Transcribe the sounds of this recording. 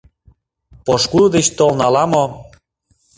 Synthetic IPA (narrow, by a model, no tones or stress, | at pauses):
poʃkud̪et͡ɕt̪olnɑlɑmo